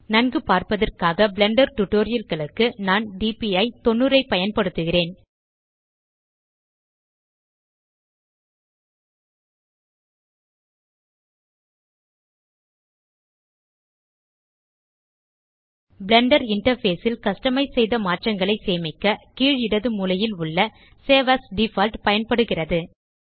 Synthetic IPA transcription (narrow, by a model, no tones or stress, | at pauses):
nɐnɡɯpaːɾpɐðɐrkaːɣɐbɪɭɛɳɖɐɾʈʊʈːoːɾɪjɐlɣɐɭɯkːɯnaːnɖiːpiɐɪt̪ɔɳːɯɾɐɪpɐjɐnpɐɽɯt̪ːɯɣɪreːn | bɭɛɳɖɐɾɪɳʈɐɾfeːsɪlkɐsʈɐmɐɪsɛjðɐmaːʈrɐŋɡɐɭɐɪseːmɪkːɐkiːɻɪɽɐðɯmuːlɐjɪlʊɭːɐ | seːʋɐsɖifɐlʈpɐjɐnpɐɽɯɣɪrɐðɯ